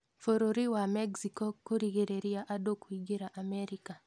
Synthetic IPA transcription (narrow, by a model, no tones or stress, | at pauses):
foɾoɾiwamɛɡsikɔkoɾiɣeɾeɾijaʔadokuiɡiɾaʔamɛɾika